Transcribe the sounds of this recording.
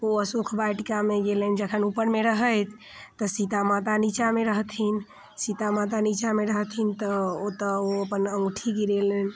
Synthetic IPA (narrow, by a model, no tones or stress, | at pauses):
oəsukʰbaʈikameɡelend͡ʒəkʰənupəɾmeɾəɦəjt̪ʰː | ɔsit̪amat̪anit͡ʃameɾəɦt̪ʰin | sit̪amat̪anit͡ʃameɾəɦt̪ʰint̪ɔot̪əoəpənəŋɡʈʰiɡiɾelən